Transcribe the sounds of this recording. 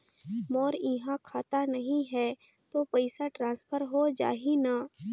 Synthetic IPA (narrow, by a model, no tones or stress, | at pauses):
mɔːɾiɦãkʰaːt̪anɐɦĩɦɛː | t̪opəɪsaʈɾãːnspʰəɾɦod͡ʒa̰ːɦinaː